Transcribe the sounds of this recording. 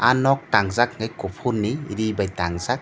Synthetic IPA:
anɔk̚taŋzak̚ŋajkɔpʰunːiːɾibajtaŋzak̚

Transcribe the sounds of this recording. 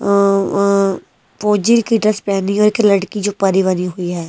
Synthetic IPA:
poːd͡ʒiɾkiɖɾəspɛːniɔːɾɪkləɽkid͡ʒoːpəɾiʋəniɦʊiɦɛː

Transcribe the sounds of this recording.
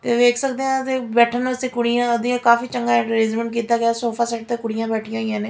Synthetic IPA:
t̪eːʋeːkʰsək̚d̪eːãt̪eːbɛːʈʰənəseːkʊɽijãːəd̪iãkaːfiːt͡ʃəŋɡaːɪ̃ʈɾezmə̃ɳʈ̚kiːt̪aːɡɪaːsoːpʰaːsɛːʈ̚t̪eːkʊɽijãːbɛːʈʰijãːijãːneː

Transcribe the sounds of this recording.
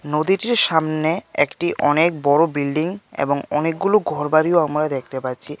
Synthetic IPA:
nod̪iʈiɾʃamneekʈiʔɔnek̚bɔɾobilɖiŋḛboŋɔnek̚ɡuloɡʱɔɾbaɾioamɾad̪ek̚ʰt̪epatːɕʰi

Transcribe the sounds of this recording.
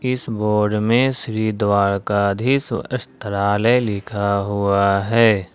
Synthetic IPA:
ɪsboːɾɖmẽsɾid̪waːɭkad̪ʱisəst̪əɾaːlɛlɪkʰaɦʊaɦɛː

